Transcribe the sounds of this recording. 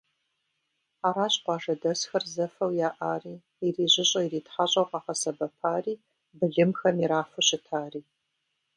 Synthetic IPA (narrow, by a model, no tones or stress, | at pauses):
aːɾaːɕqʷɑːʐɐdɐsxɐrzɐfɐwjaːʔaːriː | iriːʑɪɕʼɐiriːtħaɕʼɐwqɑːqɐsɐbɐpʰaːriː | bɨɮɨmxɐmiɾaːfɨɕɪtʰaːriː